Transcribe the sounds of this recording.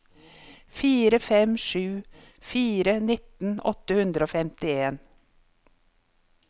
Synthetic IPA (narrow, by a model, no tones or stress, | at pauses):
fiːɾəfɛmʃʉː | fiːɾənɪt̪n̩ɔ̰t̪əhʉnd̪ɾəoːfɛmt̪ɪeːn